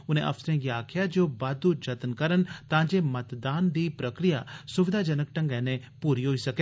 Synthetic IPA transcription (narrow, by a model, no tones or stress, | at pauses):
ʊnẽʔɐ̰fsɾẽːɡiaːkʰjad͡ʒoːbaːd̪ud͡ʒɐt̪nkəɾənt̪ãːd͡ʒemɐt̪d̪aːnd̪ipɾəkɾijasʊʋɪd̪ʱad͡ʒənək̚ʈə̃ŋɡɛ̃ːnẽpuːɾiɦoisɐke